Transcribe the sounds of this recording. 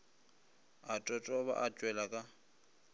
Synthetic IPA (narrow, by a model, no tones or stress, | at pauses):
atʼɔtʼɔβa̰ʔat͡ʃʼwɛlakʼa